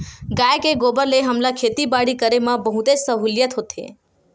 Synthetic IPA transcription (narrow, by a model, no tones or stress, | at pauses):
ɡajkeɡobəɾleɦəmlakʰet̪ibaɽikəɾemãbəɦut̪et͡ʃsəɦuljət̪ɦot̪ʰḛ